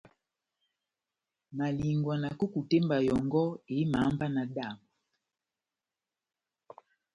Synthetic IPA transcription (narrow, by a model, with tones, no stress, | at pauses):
ma˨li˨ŋɡwa˨na˨ku˦ku˨tɛ˦mba˨jɔ˨ŋɡɔ˦e˨˦ma˨˦mba˦na˨da˦˨mbu˨